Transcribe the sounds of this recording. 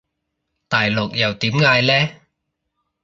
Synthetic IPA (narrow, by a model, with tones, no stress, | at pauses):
t̪aː˨jlʊ˨k̚jɐ˨˩wt̪iː˨˥mŋaː˧jlɛː˦˥